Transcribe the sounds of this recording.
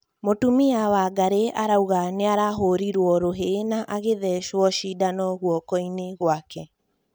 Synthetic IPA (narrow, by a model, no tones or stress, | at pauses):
motumiawaɡaɾeʔaɾauɣaneaɾaɦoɾiɾwɔɾoɦenaʔaɣeðɛʃwɔʃidanɔɣwɔkɔineɣwakɛ